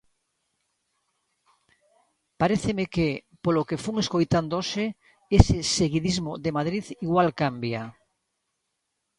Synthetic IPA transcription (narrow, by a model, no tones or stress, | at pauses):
paɾeθemeke | polokefuŋeskojt̪and̪ose | esɪseɣiðizmoðemaðɾiðiɣwalkambja